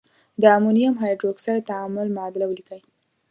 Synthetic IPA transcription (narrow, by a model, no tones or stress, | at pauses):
d̪əamunijamɦajɖɾoksajt̪aamʊlmaad̪ɪlawlikəj